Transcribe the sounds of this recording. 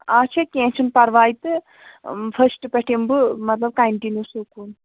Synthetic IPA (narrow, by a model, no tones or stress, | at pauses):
aːt͡ʃʰɐkʲẽːnt͡ʃʰunpɐɾʋaːjit̪ɨ | fʰɐsʈɨpeʈʰimbɨmɐt̪lɐb̚kɐɳʈinjusukuːn